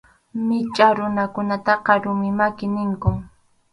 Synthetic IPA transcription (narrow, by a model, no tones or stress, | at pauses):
mɪt͡ʃʼaɾʊnakʊnat̪ɑqɑɾʊmɪmakɪnɪŋkʊŋ